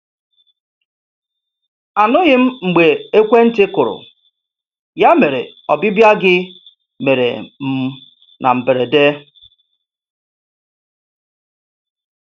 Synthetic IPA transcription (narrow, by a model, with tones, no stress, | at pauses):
a˨nʊ˦ɣɪ˦m̩˦ŋ͡m̩˨ɡ͡be˨e˦kʷe˦n̩˦tɪ˦kʊ˨ɾʊ̰˨ | ja˦me˨ɾḛ˨ɔ˨bɪ˦bja˦ɡɪ˦ | me˨ɾḛ˨m̩˦ | nʔa̰˨m̩˨be˨ɾe˨de˦